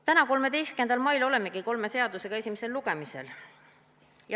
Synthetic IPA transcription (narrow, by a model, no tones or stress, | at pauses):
t̪ænɑko̞lme̞d̪e̞jst̪kend̪̥ɑlmɑjlo̞le̞mːe̞ɡ̥iko̞lme̞se̞ɑd̪̥use̞ɡ̥ɑe̞sʲimese̞lːuɡ̥e̞mise̞̰l | j